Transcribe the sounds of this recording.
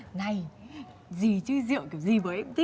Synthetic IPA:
na˨˧˩j | zi˨˩t͡ɕɨ˧zḭ˧˨əwki˨˧˩wzi˨˩vəː˨˦jʔɛ˧˥mt̪ʰi˦˥

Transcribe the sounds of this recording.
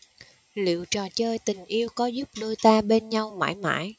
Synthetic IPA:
lḭ˧˨wt͡ɕɔ˨˩t͡ɕəː˧jt̪ï˨˩ŋ̟ʔi˧əwkɔ˨˦zʊ˦˥p̚ɗɨ˧əjt̪aː˧ɓe˧nɲa˧wma̰ː˧˥˩jma̰ː˧˥˨j

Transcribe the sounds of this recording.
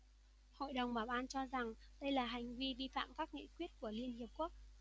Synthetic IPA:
ho̰˧˨jɗə˨˩wŋ͡mɓaː˨˩wɓaː˧nt͡ɕɔ˧za˨˩ŋɗə˧jlaː˨˩ɦa˨˩jŋ̟vi˧ɓi˧fa̰ː˧˨mkaː˦˥k̚ŋḭ˧˨kwi˦˥ət̚ku˧˩əli˧ənhi˨˩əp̚ku˦˥ək̚

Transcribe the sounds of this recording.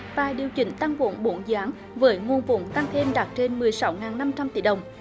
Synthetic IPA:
va̰ː˨˩ɗi˨˩əwt͡ɕï˧˩ŋ̟t̪a˧ŋvo̰˧˥nɓo˨˦nzaː˨˦ŋ | vəː˨˦jŋo˨˩nvʊ̰˧˥ŋ͡mt̪a˧ŋt̪ʰe˧mɗaː˨˩t̚t͡ɕe˧nmɨ˨˩əjsa˨˦wŋaː˨˩nːa˧mt͡ɕa˧mt̪i˧˩ɗə˨˩wŋ͡m

